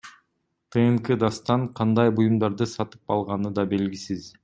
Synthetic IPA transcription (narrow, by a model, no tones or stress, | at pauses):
t̪ʰeŋkɨd̪ɑst̪ɑɴqʰɑnd̪ɑjbujumd̪ɑɾd̪ɯsɑt̪ɯ̥pɑlˠʁɑnɯd̪ɑbe̞lɡisiz̥